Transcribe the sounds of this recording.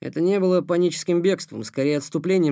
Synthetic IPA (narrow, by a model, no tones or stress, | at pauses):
ɛ̰t̪ənʲe̞bɨlˠəpɐnʲit͡ɕɪ̥skʲɪmbʲe̞kst̪və̰mskɐɾʲejəɐt̪st̪ʊplʲenʲɪjə